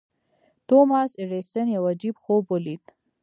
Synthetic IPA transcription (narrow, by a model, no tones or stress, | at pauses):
t̪omɑːsɪɾesənjawad͡ʒibxobolit̪